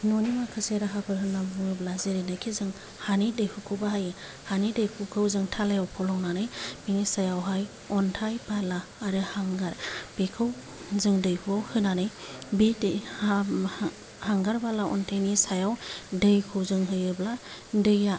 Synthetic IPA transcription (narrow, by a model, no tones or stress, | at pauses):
nɔnimakʰɯseɾaɦapʰɯɾɦɯnambɯŋɯblazeɾenakʰizɯŋ | hanidɯjkʰukʰɯbaɦaj | hanidɯjkʰukʰɯwzɯŋtʰalajawpʰɔlɔŋnanɯjm̥iŋisajawɦaj | ɔntʰajbalaːɾɯhaŋɡaɾb̥ekʰɯw | zɯŋdɯjhuawhɯnanɯjbid | haŋɡaɾbalaʔɔ̰ntʰajnisajawdɯjkʰɯwzɯŋɦɯjɯbladɯja